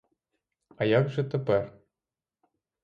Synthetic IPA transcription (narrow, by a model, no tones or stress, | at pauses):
ɑjɑkʒɘ̆t̪ɘ̆pɘr